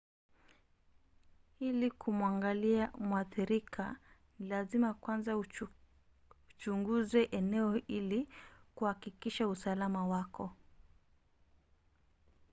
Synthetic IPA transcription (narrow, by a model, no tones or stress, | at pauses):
ilikʰumwaŋɡaliamwaθiɾikʰanilazimakwanza | ut͡ʃuŋɡuzɛʔɛnɛɔilikuhakikiʃausalamawakɔ